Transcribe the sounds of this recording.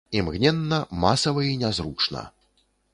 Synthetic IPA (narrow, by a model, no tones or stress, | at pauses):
imɣnʲɛnːɐmasɐvɐinʲɛzɾut͡ʂnɐ̰